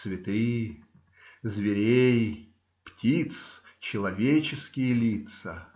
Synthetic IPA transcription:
svʲɪt̪ɨjə | zvʲɪɾʲej | ptʲit̪st͡ɕɪlˠɐvʲet͡ɕɪskʲɪjəlʲit̪sə

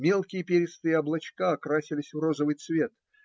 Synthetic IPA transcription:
mʲe̞lˠkʲɪjəpʲeɾʲɪst̪ɨjəɐblˠɐt͡ɕkaɐkɾasʲɪlʲɪsʲvro̞zəvɨjt̪svʲe̞t̪̚

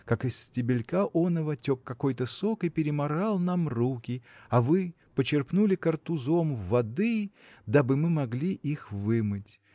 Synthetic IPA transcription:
kakɨsʲtʲɪbʲɪlʲkaʔonəvətʲokːɐko̞jt̪əsokɨpʲɪɾʲɪmɐɾalˠnamrukʲɪɐvɨ | pət͡ɕɪrpnulʲɪkərt̪ʊzo̞mvːɐd̪ɨ | d̪abɨmɨmɐɡlʲiʔixvɨmɨtʲ

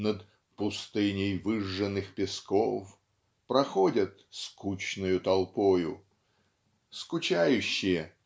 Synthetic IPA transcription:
nət̪ | pʊst̪ɨnʲɪjvɨʐːənːɨxpʲɪskof | pɾɐxodʲət̪skut͡ɕnʊjʊt̪ɐlˠpojʊ | skʊt͡ɕajʉɕːɪjə

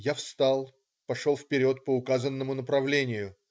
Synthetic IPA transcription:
jafst̪alˠ | pɐʂolˠfpʲɪɾʲo̞t̪̚pəʊkazənːəmʊnəpɾɐvlʲenʲɪjʊ

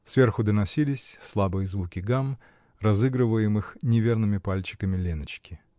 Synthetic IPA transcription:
svʲe̞rxʊd̪ənɐsʲilʲɪsʲslˠabɨjəzvukʲɪɡam | rɐzɨɡɾɨvəjɪmɨxnʲɪvʲernɨmʲɪpalʲt͡ɕɪ̥kəmʲɪlʲenət͡ɕkʲɪ

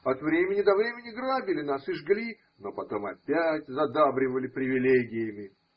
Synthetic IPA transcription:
ɐt̪vɾʲemʲɪnʲɪd̪ɐvɾʲemʲɪnʲɪɡɾabʲɪlʲɪnasɨʐɡlʲi | no̞pɐt̪o̞mɐpʲætʲzɐd̪abɾʲɪvəlʲɪpɾʲɪvʲɪlʲeɡʲɪjəmʲɪ

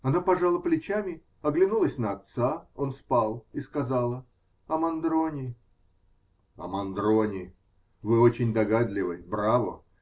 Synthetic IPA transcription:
ɐnapɐʐalˠəplʲɪt͡ɕamʲɪ | ɐɡlʲɪnulˠəsʲnəɐt̪sao̞nspalˠiskɐzalˠə | ɐmɐnd̪ɾo̞nʲɪ | ɐ̰mɐnd̪ɾonʲɪ | vɨot͡ɕɪnʲd̪ɐɡad̪lʲɪvɨbɾavə̰

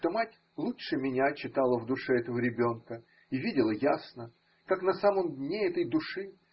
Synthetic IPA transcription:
t̪omatʲ | lˠutʂɨmʲɪnʲat͡ɕːɪt̪alˠəvd̪ʊʂɛɛt̪əvəɾʲɪbʲo̞nkə | ivʲidʲɪlˠəjasnə | kaknɐsaməmd̪ʲnʲeɛt̪əjd̪ʊʂɨ

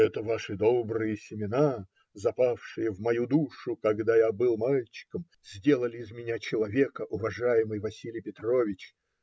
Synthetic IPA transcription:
ɛt̪əvaʂɨd̪obɾɨjəsʲɪmʲɪna | zɐpafʂɨjəvmɐjud̪uʂʊkɐɡd̪ajabɨlˠmalʲt͡ɕɪ̥kəm | z̥ʲdʲe̞lˠəlʲɪɪzmʲɪnʲat͡ɕɪlˠɐvʲe̞kəʔʊvɐʐajɪmɨjvɐsʲilʲɪjpʲɪt̪ro̞vʲɪt͡ɕ

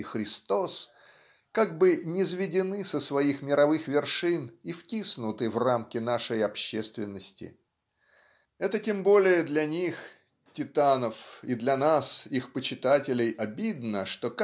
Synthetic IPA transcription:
xɾʲɪst̪o̞s | kaɡ̚bɨnʲɪzvʲɪdʲɪnɨsəsvɐixmʲɪɾɐvɨxvʲɪrʂɨniftʲisnʊt̪ɨvramkʲɪnaʂəjɐpɕːest̪vʲɪnːəsʲtʲɪ̰ | ɛt̪ətʲembo̞lʲɪjəd̪lʲɐnʲix | tʲɪt̪anəfid̪lʲɐnasixpət͡ɕɪt̪atʲɪlʲɪjɐbʲid̪nəʂt̪o̞k

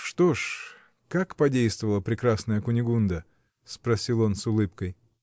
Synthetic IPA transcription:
ʂt̪o̞ʂ | kakpɐdʲejst̪vəvəlˠəpɾʲɪkɾasnəjəkʊnʲɪɡund̪ə | spɾɐsʲilˠo̞nsʊlˠɨpkəj

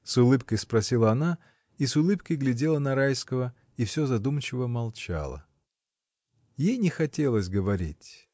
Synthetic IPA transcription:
sʊlˠɨpkəjspɾɐsʲilˠəɐna | isʊlˠɨpkəjɡlʲɪdʲe̞lˠənɐɾajskəvə | ifsʲozɐd̪umt͡ɕɪvəmɐlˠt͡ɕa̰lˠə̰ | jejnʲɪxɐtʲe̞lˠəsʲɡəvɐɾʲitʲ

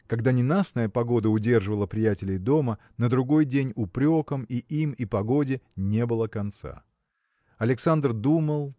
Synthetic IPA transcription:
kɐɡd̪anʲɪnasnəjəpɐɡo̞d̪əʊdʲe̞rʐɨvəlˠəpɾʲɪjætʲɪlʲɪjd̪o̞mə | nəd̪ɾʊɡo̞jdʲenʲʊpɾʲo̞kəmiʔimipɐɡo̞dʲɪnʲe̞bɨlˠəkɐnt̪sa̰ | ɐlʲɪksand̪rd̪uməlˠ

